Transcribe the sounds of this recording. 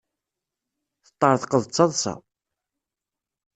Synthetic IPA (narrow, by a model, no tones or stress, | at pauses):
θə̥t̪ˤːɑɾˤθqəðˤt͡sːɑðˤsɑ̰